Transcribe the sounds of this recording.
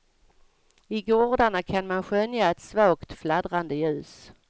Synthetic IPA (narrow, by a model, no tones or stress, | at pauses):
ɪɡɔɾɖ̪aɳakʰanmanɧœnjaɛt̪svɑːkt̪flad̪ɾand̪əjʉ̟ːs